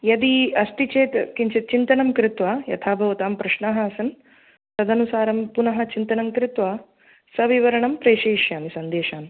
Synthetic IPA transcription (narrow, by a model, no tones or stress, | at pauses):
jɐd̪iɐst̪it͡ʃeːt̪kiɲt͡ʃɐt̪̚t͡ʃint̪ɐnɐmkɾɪt̪ʋaːjɐ̰t̪ʰaːbʱɐʋɐt̪aːmpɾɐʃɳaːɦɐɐsɐn | sɐd̪ɐnusaːɾɐmpunɐɦɐt͡ʃint̪ɐnɐmkɾɪt̪ʋaː | sɐʋiʋɐɾɐɳɐmpɾeːʃeːʃjaːmisɐnd̪eːʃaːn